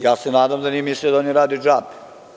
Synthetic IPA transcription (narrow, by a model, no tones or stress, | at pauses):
jaːsenaːd̪amd̪aniemislʲjud̪aoniɾaːd̪ud͡ʒaːbi